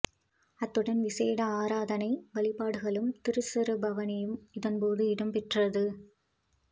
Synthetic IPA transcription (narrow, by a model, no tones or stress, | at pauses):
ɐt̪ːɯɽɐnʋɪseːɽɐaːɾaːðɐnɐɪʋɐɭɪpaːɽɯɣɐɭɯmt̪ɪɾɯsɐɾɯbɐʋɐnɐjɯmɪðɐnpoːðɯɪɽɐmpɪʈrɐðɯ